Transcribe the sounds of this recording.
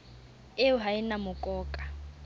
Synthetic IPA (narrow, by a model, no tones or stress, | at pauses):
eʊɦaɪnamʊkʼɔːkʼa